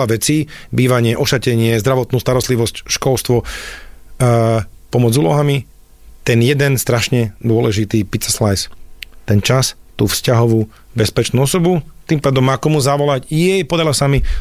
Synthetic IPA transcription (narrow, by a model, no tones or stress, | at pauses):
laʋɛt͡siːbiːʋaɲɪɛʔɔʃacɛɲɪɛzd̪ɾaʋɔt̪nuːst̪aɾɔst̪liʋɔscʃkɔlst̪ʋɔ | pɔmɔd͡zuːlɔɦami | t̪ɛnjɛd̪ɛnst̪ɾaʃɲɛd̪ʊɔlɛʒit̪iːpit̪t͡sɛslajst̪ɛnt͡ʃast̪uːfscaɦɔʋuː | bɛspɛt͡ʃnuːɔsɔbut̪impaːd̪ɔmakɔmuzaʋɔlacjɛjpɔd̪aɾilasami